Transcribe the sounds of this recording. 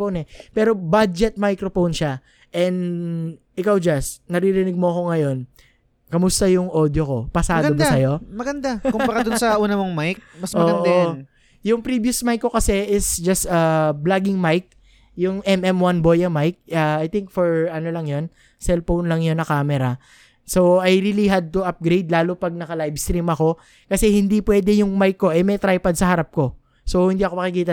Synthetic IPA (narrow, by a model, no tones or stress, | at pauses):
ownɛpɛːɾo̞bad͡ʒɛt̪̚majkɾofownʃa | ʔɛnd̪ʔɪkawd͡ʒasnɐɾiɾɪnɪɡ̚moɐko̞ŋɐjo̞n | kɐmʊst̪ɐjʊŋʔod̪joko̞pɐsaɐːdɡɐomsɐjo̞mɐɡɐnd̪akʊmbɐɡad̪ʊsɐʔuːnɐmoŋmajk̚mɐsmɐoɡɐnʔ̪o | jʊŋpɾiːbjʊsmajkːo̞kɐsɛʔɪsd͡ʒɐst̪ɐblaɡɪŋmajk̚ | jʊŋʔɛmɛmwɐnbojɐmajk̚ʔɐajt̪ɪŋk̚fɔɹɐnolɐŋjo̞n | sɛlfownlɐŋjonːɐkaːmɛɾɐ | so̞wajɾiːliɦad̪̚t̪uʔɐp̚ɡɾejd̪laːlʊpɐɡ̚nɐkɐlajvst̪ɾimɐko̞ | kɐsɛhɪnd̪ipwɛːd̪ɛjʊŋmajkːo̞ʔɛmɐjt̪ɾajpɐd̪̚sɐhɐɾap̚ko̞ | so̞whɪnd̪iːɐkoɐkɪkiːt̪ɐ